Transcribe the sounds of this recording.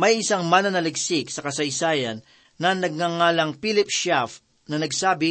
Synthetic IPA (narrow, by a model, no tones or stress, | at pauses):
mɐjʔɪsaŋmanɐnɐlɪɡsɪksɐkɐsɐjsaːjɐnː | ɐnɐɡ̚ŋaŋaːlɐŋpilɪp̚ʃɛf | nɐnɐɡsaːbɪ